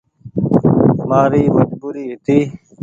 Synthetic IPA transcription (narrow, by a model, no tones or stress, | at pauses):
maːɾiːməd͡ʒbuːɾiːɦit̪iː